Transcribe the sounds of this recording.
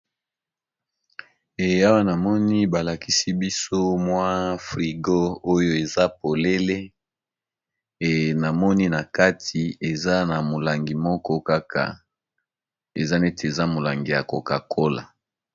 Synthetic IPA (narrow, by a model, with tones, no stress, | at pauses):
e˨˦a˦wa˦na˨mɔ˦ni˦ba˨la˨ki˦si˦bi˦so˦mwa˦fʁi˨ɡo˦o˦jo˦e˨za˦po˨le˦le˦ | e˨na˨mɔ˦ni˦na˨ka˦ti˨e˨za˦na˨mo˨la˨ŋɡi˨mɔ˦kɔ˦ka˦kʰa̰˨ | ḛ˨za˦ne˦te˨za˦mo˨la˨ŋɡi˨ja˨ko̰˨ka˨kʰo˦la̰˨